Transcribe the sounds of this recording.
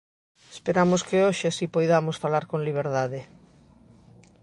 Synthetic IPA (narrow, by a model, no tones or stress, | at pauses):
espeɾamoskɪoʃɪasipojðamosfalaɾkoŋliβ̞eɾðaðe